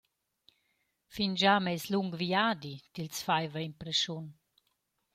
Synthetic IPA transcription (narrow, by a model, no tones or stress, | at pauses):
find͡ʒamɛjsluŋɡviaːd̪it̪ilsfajvəimpɾɛʃun